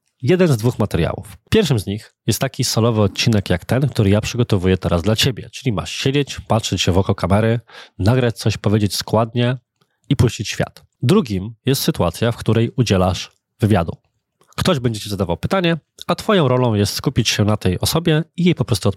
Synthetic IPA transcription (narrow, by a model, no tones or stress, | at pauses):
jɛd̪ɛnzd̪vuxmat̪ɛɾja̰wṵfpʲjɛɾfʂɘmzɲixjɛst̪ːakʲisɔlɔvɘɔt̪̚t͡ɕinɛkjakt̪ɛnkt̪uɾɘjapʂɘɡɔt̪ɔvujɛt̪ɛɾazd̪lat͡ɕebʲjɛ̰t͡ʂɘ̥lʲima̰ʂɕed͡ʑet͡ɕpatʂɛt͡ɕɕɛvɔkɔkamɛɾɘnaɡɾat͡ɕt̪sɔɕpɔvʲjed͡ʑet͡ɕskwad̪̚ɲɛ | ipuɕt͡ɕit͡ɕɕfʲja̰t̪ | d̪ɾuɡʲimjɛst̪sɘt̪uat̪sʲjafkt̪uɾɛjud͡ʑɛlaʂ | vɘvʲja̰d̪ṵ | kt̪ɔʑbɛɲd͡ʑɛt͡ɕizad̪avawpɘt̪aɲɛat̪fɔjɔ̃w̃ɾɔlɔ̃w̃jɛst̪skupʲit͡ɕɕɛnat̪ɛjɔsɔbʲjɛijejpɔpɾɔst̪uɔ